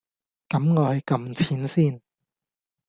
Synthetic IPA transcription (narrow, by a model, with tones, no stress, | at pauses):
kɐ˨˥mŋɔː˨˧hɵ˨˧jkɐ˧mt͡sʰiː˨˥nsiː˥˩n